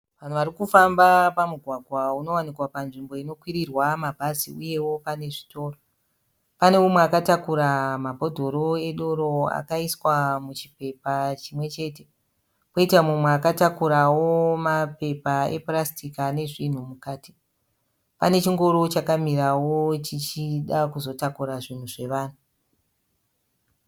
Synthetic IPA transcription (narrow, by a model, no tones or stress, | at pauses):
ʋan̤uʋaɾikufambapamuɡʱwaɡʱwauno̞wanikwapanʐimbo̞ino̞kwiɾirwamabʱazḭuje̞wo̞pane̞ʐito̞ːro | pane̞mumweakatakuɾamabʱo̞dʱo̞ɾo̞e̞ɗo̞ɾo̞a̰kaiswamut͡ʃipe̞pat͡ʃimwe̞t͡ʃe̞te̞ | koitamumweakatakuɾawomape̞paḛprastikane̞ʐin̤umukaːti̥ | pane̞t͡ʃiŋɡo̞ɾo̞t͡ʃakamiɾawo̞t͡ʃit͡ʃiɗakuzo̞takuɾaʐin̤uʐe̞ʋaːn̤u